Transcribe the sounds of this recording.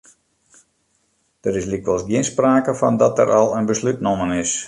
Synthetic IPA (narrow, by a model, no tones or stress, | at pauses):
d̥əɾɪslikʋəlˠsɡjɪnspraːkəfɔndɔtə̰ɾʔɔlˠənbəslytnomənɪs